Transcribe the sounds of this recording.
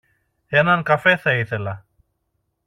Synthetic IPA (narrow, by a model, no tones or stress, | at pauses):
e̞nɐŋkɐfe̞θɐiθe̞lɐ